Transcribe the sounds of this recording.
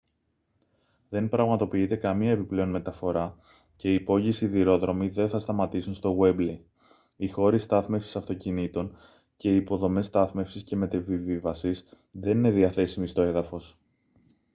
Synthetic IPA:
ðe̞npɾɐɣmɐt̪o̞piit̪e̞kɐmiɐe̞piple̞o̞nme̞t̪ɐfo̞ɾɐ | ce̞iːpo̞ʝisiðiɾo̞ðɾo̞miðe̞nθɐst̪ɐmɐt̪isunst̪o̞ɣwe̞bli | ixo̞ɾist̪ɐθme̞fsi̥sɐft̪o̞cinit̪o̞n | ce̞iːpo̞ðo̞me̞st̪ɐθme̞fsisce̞me̞t̪evivivɐsis | ðe̞nine̞ðiɐθe̞simist̪o̞e̞ðɐfo̞s

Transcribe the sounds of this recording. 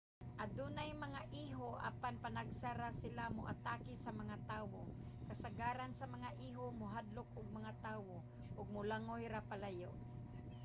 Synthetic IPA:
ʔad̪unajmaŋaʔiɦoʔa̰panpanaɡsaɾasɪlamʊʔa̰t̪akɪsamaŋat̪aːwokasaɡaːɾansamaŋaʔiːɦomʊɦad̪lʊkʊɡ̚maŋat̪aːwo | ʔʊɡ̚mʊlaŋojɾapalajo̰ʔ

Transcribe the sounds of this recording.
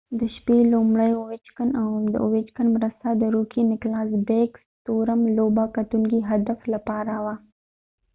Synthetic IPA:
d̪əʃpelomɽəjowet͡ʃkanawmd̪ə̰owet͡ʃkanmɾəst̪ad̪əɾokinɪklɑsbekst̪oɾamlobakat̪uŋkiɦad̪aflapɑɾawa

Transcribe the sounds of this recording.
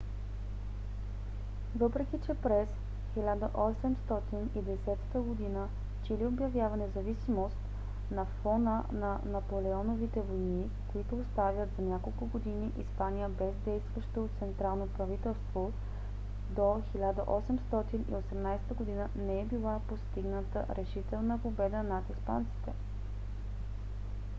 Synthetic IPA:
vɤpɾɛkʲit͡ʃɛpɾɛs | xilʲad̪əʔɔsɛmst̪ɔt̪inid̪ɛsɛt̪ə̥t̪əɡod̪inə | t͡ʃiliobjɐvjavənɛzɐvisimost̪ | nɐfɔnənɐnɐpolɛɔnovit̪ɛvojni | koit̪ʊːst̪avʲjət̪zɐnʲakolˠkʊɡod̪iniʔispanijəbɛzd̪ɛjst̪vəʃt̪ot̪sɛnt̪ɾalˠnopɾɐvit̪ɛlˠst̪vo | d̪oxilʲad̪əʔɔsɛmst̪ɔt̪inḭosɛmnajsɛ̥t̪əɡod̪inənɛɛbilˠapost̪iɡnət̪ə̰ɾʔɛʃit̪ɛlˠnəpobɛd̪ənat̪ispa̰nt̪si̥t̪ɛ

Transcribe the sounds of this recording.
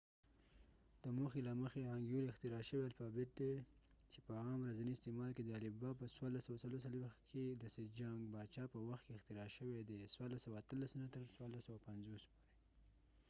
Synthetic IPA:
d̪̥əmoxelaməxeaŋɡjulɪxt̪ɪɾɑʃəwealfɑbɪt̪̚d̪e | t͡ʃepəɑmɾazaniɪst̪emɑlked̪əalɪbɑpəswaɾlasawasaloɾsalwexked̪əsɪd͡ʒaŋɡbɑt͡ʃɑpəwaxt̪̚keɪxt̪ɪɾɑʃəwed̪eswaɾlasawaːt̪əlasənat̪əɾswaɾlasawapanzospoɾe

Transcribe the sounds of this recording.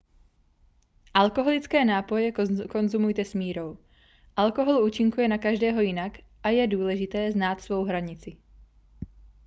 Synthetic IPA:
ʔalko̞ɦo̞lɪt͡skɛːnaːpo̞jɛko̞nzumujt̪ɛsmiːɾo̞w | ʔalkoɦolʔuːt͡ʃɪŋkujɛnakaʒdɛːɦo̞jɪnak | ʔajɛduːlɛʒɪt̪ɛːznaːt̪svo̞wɦɾaɲɪt͡sɪ

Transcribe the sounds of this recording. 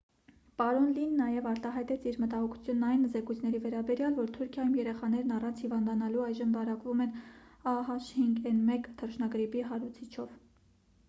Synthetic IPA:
pɑɾɔnlinːɑjɛvɑɾt̪ɑɦɑjt̪ɛt͡sʰiɾmət̪ɑɦɔkʰu̥t͡sʰjunːɑjnzɛkujt͡sʰnɛɾivɛɾɑbɛɾjɑlvɔɾt̪ʰuɾkʰjɑjumjɛɾɛχɑn̪ɛɾnɑrɑnt͡sʰhivɑnd̪ɑnɑluɑjʒəmvɑɾɑkvumɛnɑɦɑʃhiŋɡɛnmɛkt̪ʰərʃnɑɡɾipiɦɑɾut͡sʰit͡ʃʰɔv

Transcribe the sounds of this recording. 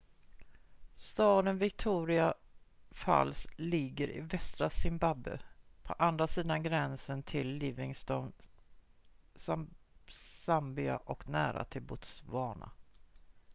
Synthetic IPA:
st̪ɑːd̪ənvɪk̚t̪ʰuːɾɪa | fa̰lslɪɡːəɾʔɪ̰vɛst̪ɾasɪmbabːɵ̰pʰɔ̰ʔand̪ɾasiːd̪anɡɾɛnsənt̪ʰɪlːiːvɪŋst̪ɔn | s | sambɪa̰ʔɔknæːɾa̰t̪ʰɪlbʊt̪svɑːɳa̰

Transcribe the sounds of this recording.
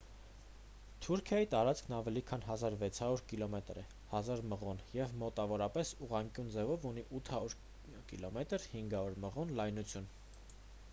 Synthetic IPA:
t̪ʰuɾkʰjɑjit̪ɑɾɑt͡skʰnɑvɛlikʰɑnɦɑzɑɾvɛt͡sʰhɑɾuɾkilɔmɛt̪ɾɛ | hɑzɑɾməʁɔnjɛvmɔt̪ɑvɔɾɑpɛsuʁɑŋkʲjund͡zɛvɔvuniʔut̪ʰhɑɾuɾ | kilɔmɛt̪əɾhiŋɡɑɾuɾməʁɔnlɑjnut͡sʰjun

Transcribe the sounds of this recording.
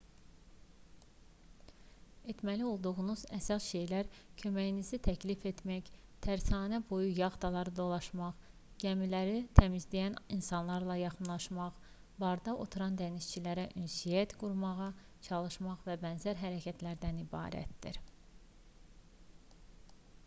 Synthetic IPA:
e̞t̪mælio̞lˠd̪uʁunuzæsɑsʃe̞jlæɾcʰø̞mæjinizit̪ʰæcʰlife̞t̪mæçt̪ʰæɾsɑːnæbojujɑʁd̪ɑlˠɑɾɯd̪o̞lˠɑʃmɑʁ | ɟ̥æmilæɾit̪ʰæmizd̪ijæninsɑnlˠɑɾlˠɑjɑχɯnlˠɑʃmɑχ | bɑɾd̪ɑʔo̞t̪ʰuɾɑnd̪æniʃt͡ʃʰilæɾæʔynsijæt̪ɡuɾmɑʁɑ | t͡ʃʰɑlˠɯʃmɑʁvæbænzæɾɦæɾæcʰæt̪ʰlæɾd̪ænibɑ̰ːɾæ̰t̪d̪ḭɾ

